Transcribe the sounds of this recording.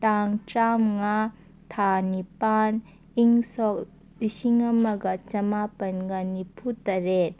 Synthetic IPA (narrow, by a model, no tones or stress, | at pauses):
taŋtɾamŋa | tʰanipan | iŋsɔk̚ | lisiŋɐmɐɡɐt͡ʃɐmapɐnɡɐnipʰutɐɾet̚